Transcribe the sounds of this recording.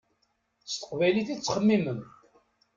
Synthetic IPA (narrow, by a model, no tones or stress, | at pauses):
st̪ə̥qvæjliθit͡sːχəmːimən